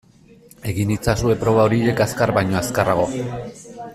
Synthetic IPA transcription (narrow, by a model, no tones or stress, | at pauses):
e̞ɣinit͡sasue̞pɾo̞β̞ao̞ɾie̞kaskaɾβajɲo̞askaraɣ̞o̞